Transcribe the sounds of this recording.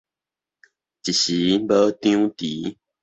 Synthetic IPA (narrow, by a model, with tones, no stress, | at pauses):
t͡ɕi˨ɕi˨˦bə˦t̪ĩ˦t̪i˨˦